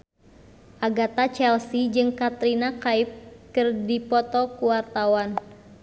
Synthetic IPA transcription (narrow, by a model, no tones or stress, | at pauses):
ʔaɡat̪at͡ʃɛlsid͡ʒɨŋkat̪ɾinakaip̚kɨrdipɔt̪ɔkuwart̪awan